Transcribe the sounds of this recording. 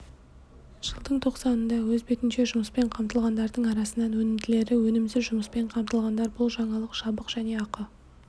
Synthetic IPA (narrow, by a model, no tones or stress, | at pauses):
ʒ̥əlˠd̪əɴt̪ʰo̞qsɑnənd̪ɑwɵzbe̞t̪ɪnʃe̞ʒʊməspe̞ɴqʰɑmt̪əlˠʁɑnd̪ɑɾd̪əɴɑɾɑsənɑnwɵnɪmd̪ɪle̞ɾɪwɵnɪmzɪʒʊməspe̞ɴqʰɑmt̪əlˠʁɑnd̪ɑɾbʊlˠʒɑɴɑlˠəqʃɑbəqʒ̥æne̞ɑqə